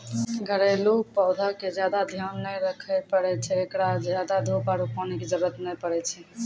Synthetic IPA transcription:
ɡʱəɾelupəwd̪ʱaked͡ʒjad̪ad̪ʱijanːəjɾəkʰəpəɽɛt͡ʃʰɛekɽad͡ʒjad̪ad̪ʱopaɾupɔneked͡ʒəɾuət̪nɛjpəɾɛt͡ʃʰɛ

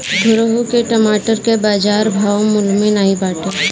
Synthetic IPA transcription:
ɡʱʊɾəɦukeʈəmaːʈəɾkebaːd͡ʒaːɾbʱaːwmʊlmenaːibaːʈəɾ

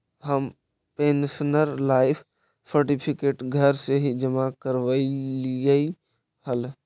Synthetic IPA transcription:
ɦəm | pensnəɾlaːɪpʰ | səɾʈipʰikeʈɡʱəɾseɦid͡ʒəmakəɾʋəilijəi | həl

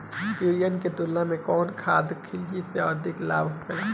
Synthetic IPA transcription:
pjuːɾijənket̪ʊlːãmẽkɔːnkʰaːd̪kʰːɪld͡ʒiseɔːd̪ɪklaːbɦoɡɐlaː

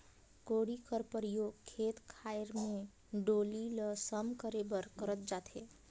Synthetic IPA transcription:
koɽikəɾpəɾijoɡkʰːeːt̪kʰaɪɾmẽ | ɖoliləsəmkəɾebəɾkəɾət̪̚d͡ʒat̪e

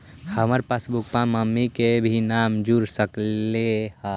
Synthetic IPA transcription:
həməɾpəsbuk̚pãməmːikebʱinamd͡ʒuɾsəkleha

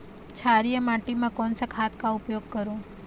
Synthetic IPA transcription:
t͡ʃʰaːɾijəmaːʈimẽkɔːnsakʰaːt̪ʰkaʊpjoːɡ̚kəɾoː

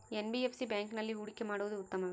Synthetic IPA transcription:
enbiepsibjaːŋknɐlːiuɽɪkːemaːɽuʋɐd̪uːt̪ːɐmɐʋe

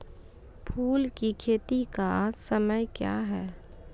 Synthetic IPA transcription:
pʰuːlkikʰeːt̪ikasɐməjkja̰ːɦɛː

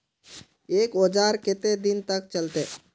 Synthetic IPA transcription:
eːkod͡ʒaɾket̪ed̪int̪ək̚t͡ʃəlt̪e

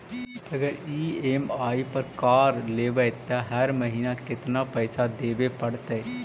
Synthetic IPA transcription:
əɡəɾiːeːmaːiːpəɾkaːɾleːʋət̪ãɦəɾməɦiːnaːkɪt̪naːpɛːsaːd̪eːʋeːpəɽt̪e

